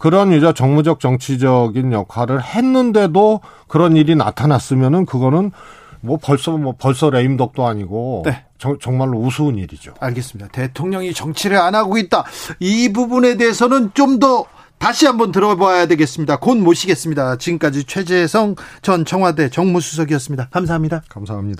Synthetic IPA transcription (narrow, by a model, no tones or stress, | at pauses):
kɯɾʌnid͡ʑʌt͡ɕʌŋmud͡ʑʌk̚t͡ɕʌŋt͡ɕʰid͡ʑʌɡinjʌkʰwaɾɯɭhe̞nːɯnde̞do | kɯɾʌniɾina̰tʰanas͈ɯmjʌnɯnkɯɡʌnɯn | mwʌpʌɭs͈ʌmwʌpʌɭs͈ʌɾe̞imdʌk̚t͈oaɲiɡone̞ | t͡ɕʌt͡ɕʌŋmaɭːousʰuːniɾid͡ʑo̰aɭɡe̞s͈ɯmɲid̥ate̞tʰoŋɲʌŋit͡ɕʌŋt͡ɕʰiɾɯɾanaɡoit̚t͈aibubune̞de̞ɦesʰʌnɯnt͡ɕomdʌ | taɕʰiɦambʌntɯɾʌboajadwe̞ɡe̞s͈ɯmɲidakonmoɕʰiɡe̞s͈ɯmɲidat͡ɕiɡɯmk͈ad͡ʑit͡ɕʰwe̞d͡ʑe̞sʰʌŋt͡ɕʌnt͡ɕʰʌŋɦwade̞t͡ɕʌŋmusʰu̥s̬ʰʌɡiʌs͈ɯmɲidakams̬ʰaɦamɲidakamsʰaɦamɲida